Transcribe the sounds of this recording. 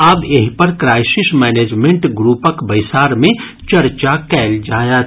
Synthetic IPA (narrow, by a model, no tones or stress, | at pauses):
aːbeɦipəɾkɾaːɪsismɛːneːd͡ʒmẽɳʈɡɾuːpəkbəɪsaːɾmẽ | t͡ʃɐɾt͡ʃakɛːld͡ʒaːjat̪